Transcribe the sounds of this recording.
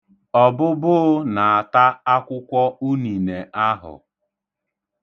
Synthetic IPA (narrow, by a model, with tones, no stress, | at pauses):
ɔ˦bʊ˦bʊ˦na˨a˨ta˦a˦kʷʊ˦kʷɔ˦u˦ni˨ne˨ʔa˦ɦʊ̰˨